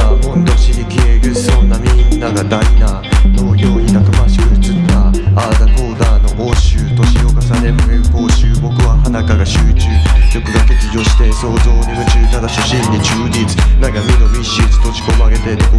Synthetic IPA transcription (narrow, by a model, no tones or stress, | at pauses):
amõ̞nd̪oɕiɲ̟ikʰeːɾɯ̟so̞nːamʲĩnːaɡad̪ait̪a | t̪o̞ːɡʲo̞ːɲ̟it̪ak̪ɯmaɕi̥kɯ̟ɾɯt͡sɨaaːd̪ako̞ːd̪aːno̞ʔoɕɨːt̪o̞ɕio̞kasane̞mɯeko̞ːɕɨːbo̞kɯ̟βahanakaɡaɕɨːt͡ɕɨːjo̞kɯ̟d̪ake̞d͡ʑiʑʲo̞ːɕi̥t̪e̞so̞ːzo̞ːɲimɯ̟t͡ɕɨːt̪ad̪aɕoɕĩɲːit͡ɕɨːɾit͡sɨ̥naɡamʲino̞mʲiɕɨːt͡sɨ̥t̪oɕi̥ko̞maɡe̞t̪et̪eko